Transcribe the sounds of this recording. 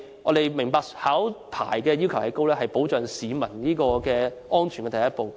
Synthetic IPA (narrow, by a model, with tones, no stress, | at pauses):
ŋɔ̰ː˨˧d̪e˨jmɪ˨˩ŋpaː˧k̚haː˨˥wpʰa̰ː˨˩jkɛː˧jiː˥wkʰɐ˨˩whɐ˨˧jko˥wlɛː˥ɦɐ˨jpo˨˥wt͡ʃœː˨ŋsiː˨˧mɐ˨˩nniː˥kɔː˧kɛː˧ɔː˥nt͡ʃʰy˨˩nkɛ˧t̪ɐ˨˩jɐ˥t̚po˨w